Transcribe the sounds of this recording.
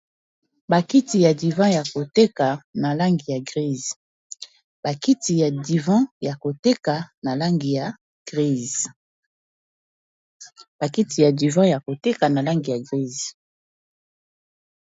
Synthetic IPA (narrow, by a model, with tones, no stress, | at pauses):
ba˨ki˦ti˨ja˨di˨vɑ̃˦ja˨ko˨te˦ka˨na˨la˦ŋɡi˨ja˨ɡʁi˦˨z | b̥a˨ki˦ti˨ja˨di˨vɑ̃˦ja˨ko˨te˦ka˨na˨la˦ŋɡi˨ja˨ | ɡ̥ʁi˦˨z | ba˨ki˦ti˨ja˨di˨vɑ̃˦ja˨ko˨te˦ka˨na˨la˦ŋɡi˨ja˨ɡʁi˦z